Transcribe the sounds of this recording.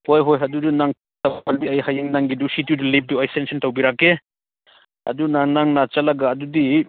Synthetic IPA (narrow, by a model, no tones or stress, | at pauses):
hojɦojɦɐdudunaŋ | tɐbaldiɐjhajiŋnaŋɡidusitjudulep̚duɐjsɛnsɔntawbiɾake | ɐ̰dunaŋnaŋnat͡ʃalaɡaːdudi